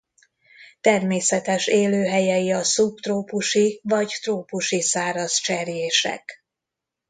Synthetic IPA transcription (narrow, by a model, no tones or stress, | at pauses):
t̪ɛrmeːsɛt̪ɛʃeːløːɦɛjɛjiɒsupt̪roːpuʃivɒɟt̪roːpuʃisaːɾɒzt͡ʃɛrjeːʃɛ̰k